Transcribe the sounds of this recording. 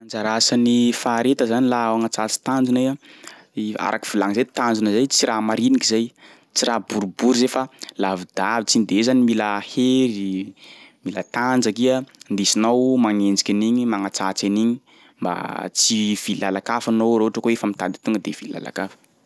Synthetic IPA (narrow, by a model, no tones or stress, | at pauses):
and͡zaɾasanifaːɾet̪əzanilaaŋat͡sat͡si̥t̪and͡ʒunaja | a̰ɾʔa̰ki̥v̥ulaŋzet̪and͡zunazajt͡siɾʔamaɾinikizaj | t͡siɾabuɾubuɾzefalavid̪avit͡sind̪ezanimiləheɾi | milət̪and͡ʒakiənd̪isinawmaŋend͡zikʲaniɲimaŋat͡sat͡seniɲi | mba̰t͡siv̥ilalakafanowɾoaʈ͡ʂəkoefəmit̪ad̪i̥t̪uŋɡəd̪ev̥ila̰la̰kafə̥